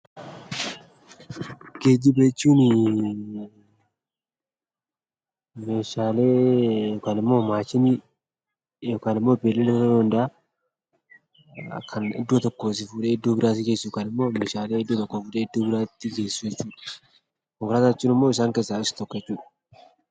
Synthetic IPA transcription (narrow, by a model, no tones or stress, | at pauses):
ɡ̥e̞ːd͡ʒːɪbeːt͡ʃːuːnɪ | meːʃaːleːjɔkaːnɪmːo̞ːmaːt͡ʃːɪnɪ | jɔkaːnɪmːo̞ːbeːlːɛlɛɔd̪ɐnd̪ɐʔa | kʰɐnɪ̰d̪ːuːt̪ɔkːoːsɪfuːᶑeːɪd̪ːuːbɪɾaːsɪɡeːsukɐnɪmːo̞ːmeːʃaːleːɪd̪ːuːt̪ɔkːoːfuːᶑeːɪd̪ːuːbɪɾaːt̪ːɪɡe̞ːsːujɛt͡ʃːuːᶑɐ̥ | kɔŋkɾaːt̪at͡ʃːuːnɪmːoːɪs̬aːŋkeːsːaɪsɪ̥t̪ɔkːɛt͡ʃːuːᶑɐ̥